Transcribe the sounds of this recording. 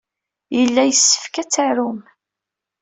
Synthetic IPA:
jəlːæjəsːə̥fkæt͡sːaɾum

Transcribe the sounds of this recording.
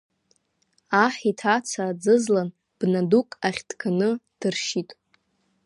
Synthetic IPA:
aħitʰat͡sʰad͡zɨzlan | b̥nadukʼaχʲd̥kʰanɨd̥ɨrʃitʼ

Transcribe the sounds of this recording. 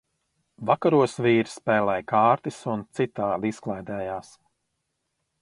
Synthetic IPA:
vakaɾuɔsviːɾspɛːlɛjkaːɾt̪isunt̪sit̪aːlisklˠajd̪ɛːjaːs

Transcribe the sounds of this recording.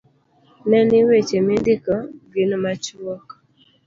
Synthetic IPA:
nɛnɪwet͡ʃemɪndɪkɔɡinmat͡ʃwɔk

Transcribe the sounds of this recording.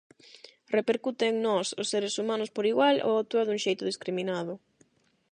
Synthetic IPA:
repeɾkut̪eŋnɔsʊ̰sːeɾesumãnʊspoɾiɣwalo̰at̪uɐðuŋʃejt̪ʊðiskɾimĩnaðʊ

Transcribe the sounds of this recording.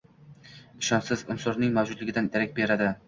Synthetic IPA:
ɪʃɒnsɪzʊ̰msʊɾnɪŋmawd͡ʒʊd̪lɪɡʲɪd̪anjeɾakʲbe̞ɾad̪ɪ

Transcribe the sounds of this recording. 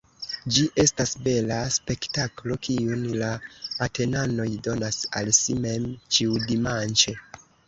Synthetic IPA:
d͡ʒiʔe̞stasbe̞laspe̞ktaklo̞kiunlaːte̞nano̞jdo̞nasalsime̞mt͡ʃiudimant͡ʃe

